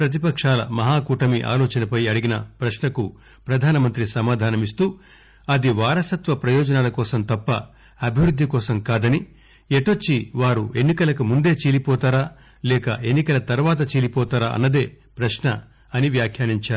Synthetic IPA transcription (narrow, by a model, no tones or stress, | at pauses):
pɾɐt̪̬ipɐkʂaːlɐ̰mɐɦaːkuːʈɐmiʔa̰ːlɔːt͡ʃɐnɐpɐjɐɽiɡinɐpɾɐʃɳɐku | pɾɐd̪ʱaːnɐmɐnt̪ɾisɐmaːd̪ʱaːnɐmis̬t̪uː | ɐd̪iʋaːɾɐsɐt̪ʋɐpɾɐjɔːd͡ʒɐnaːlɐkɔːsɐmt̪ɐpːɐ̰ | ɐbʱiʋɾud̪ʱːikɔːsɐmkaːd̪ɐni | eʈot͡ʃːiʋaːɾue̞nːikɐlɐkumund̪e̞ːt͡ʃeːlipɔːt̪aːɾaː | lɛːkɐe̞nːikɐlɐt̪ɐɾʋaːt̪̬ɐt͡ʃeːlipɔːt̪aːɾaːɐ̰nːɐd̪e̞ː | pɾɐʃɳɐ | ɐniʋjaːkʰjaːniɲt͡ʃaːɾu